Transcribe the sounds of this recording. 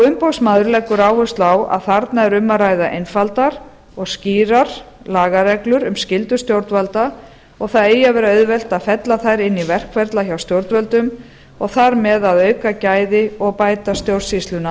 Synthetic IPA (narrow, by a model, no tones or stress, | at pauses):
ɔɣʏmpowsmaːðʏɾlɛkːʏɾaːwhʏst̪lawa̰ðθaɾt̪naɛɾʏmːaɾajðaʔejnfalt̪aɾ̥ | ɔɣsciːɾaɾ̥ | laːɣaɾɛklʏɾʏmscɪlt̪ʏst̪jowɾt̪valt̪a | ɔɣθaðeːjavɛːɾaœɥðvɛl̥t̪aðfɛt̪laθajɾɪnːivɛr̥kʰvɛɾt̪laçawst̪jowɾt̪vœlt̪ʏm | ɔɣθaɾmɛðaðœɥkacaːjðɪɔɣpaːjt̪ast̪jowr̥sist̪lʏna